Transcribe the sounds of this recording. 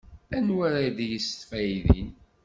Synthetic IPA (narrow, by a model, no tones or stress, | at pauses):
ænwaɾad̪ijəst̪fæjðḭn